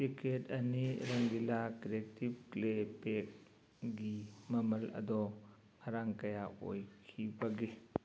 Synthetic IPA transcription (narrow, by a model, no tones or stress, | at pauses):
tikʰetɐniɾɐŋɡilakiɾek̚tib̚klepek̚ | ɡimɐmɐlɐ̰dɔ | hɐɾaŋkɐjao̰jkʰibɐɡe